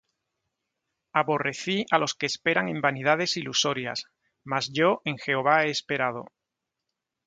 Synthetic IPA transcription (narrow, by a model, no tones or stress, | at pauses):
aβo̞re̞θialo̞ske̞ːspe̞ɾaŋẽ̞mbaniðað̞e̞siluso̞ɾja̰s | mazʝo̞ʔeŋxe̞oβae̞ːspe̞ɾað̞o̞̰